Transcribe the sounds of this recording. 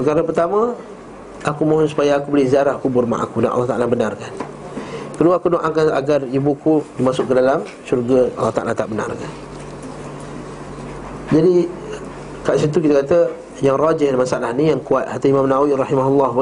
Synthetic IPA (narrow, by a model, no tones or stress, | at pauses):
pəkaɾəpərt̪amə̃ | ʔakumãɦɔnsu̥pajaːkubəlɪhziaɾahkubʊrma̰ʔa̰kudanʔlːɑht̪aʔalabənarkan | kəduaakudoʔaŋkaa̰ɡaribukudimasʊk̚kədalam | ʃurɡaɑ̰lːɑht̪a̰ʔalat̪aʔbəna̰rkan | d͡ʒadi | kaʔsit̪̬ukit̪aəkat̪ə | jaŋrad͡ʒɪhdamasaalahnijaŋkuat̪̚hat̪aimãmnawiɾɑhimaɦulːɑɦ